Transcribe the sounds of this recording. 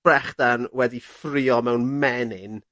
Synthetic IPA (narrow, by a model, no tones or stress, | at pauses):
ɛχd̥anwɛdifrɪɔmɛwnmɛnɪn